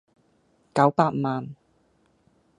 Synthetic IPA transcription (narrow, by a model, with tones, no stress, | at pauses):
kɐ˨˥wpaː˧t̚maː˧n